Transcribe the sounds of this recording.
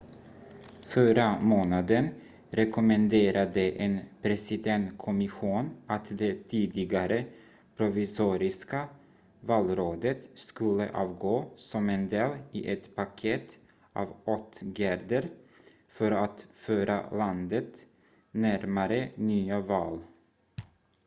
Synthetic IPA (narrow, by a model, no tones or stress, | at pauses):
fœɾamoːnad̪ən | ɾɛkʊmənd̪eːɾʔad̪əʔenpʰɾɛsɪd̪ɛnt̪kʰɔmɪɧuːnat̪d̪ɛt̪ʰiːd̪ɪɡaɾə | pʰɾʊvɪsuːɾɪska | vɑːlɾoːd̪ət̪skɵlːə̰ʔɑ̰ːvɡoːsɔmɛnd̪eːlɪʔɛt̪pʰakʰet̪ | ʔɑ̰ːvɔt̪ːɡæɾd̪əɾ | fœɾat̪føːɾa̰land̪ət̪ | næɾmaɾənyːavɑːl